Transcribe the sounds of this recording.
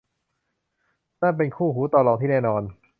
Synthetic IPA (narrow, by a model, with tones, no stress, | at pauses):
naː˥˩p̬e˧nkʰuː˥˩ɦuː˩˦t̪ɔː˧lɔː˧ŋt̪ʰiː˥˩nɛː˥˩nɔː˧n